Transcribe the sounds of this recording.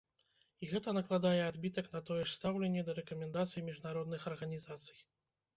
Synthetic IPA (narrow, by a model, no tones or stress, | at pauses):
iɣɛt̪ɐnɐklˠad̪ajɛad̪bʲit̪ɐknɐt̪ɔjɛʂst̪awlʲɛnʲːɛd̪ɐɾɛkɐmʲɛnd̪at̪sɨjimʲiʐnaɾɔd̪nɨxɐrɣɐnʲizat̪sɨ̥j